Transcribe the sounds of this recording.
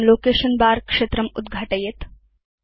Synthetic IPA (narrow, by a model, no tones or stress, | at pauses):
nloːkeɕənbaɾkʂet̪ɾɐmud̪ɡʱaʈəjet̪